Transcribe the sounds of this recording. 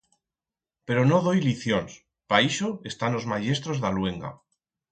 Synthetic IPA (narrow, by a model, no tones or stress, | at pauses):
pe̞ɾo̞noðo̞jliθjons | paiʃoe̞st̪anlo̞zmaʝe̞s̬t̪ɾozðalwe̞ŋɡa̰